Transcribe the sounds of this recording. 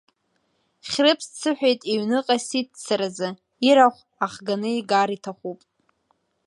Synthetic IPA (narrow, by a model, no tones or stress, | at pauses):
χʲrɨpʰst͡sʰɨħᶣʷejtʼiɥnɨqʼasit̚ʰt͡sʰaɾazɨ | iɾaχʷ | aχɡanɨiɡaɾitʰaχʷupʼ